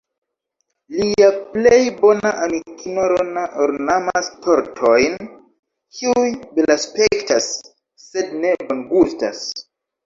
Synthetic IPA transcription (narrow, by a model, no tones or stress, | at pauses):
liaplejbo̞naʔamikinoɾonaʔoɾnamasto̞ɾtʰo̞jn | kʰiujbelaspe̞ktasː | e̞dne̞banɡusta̰s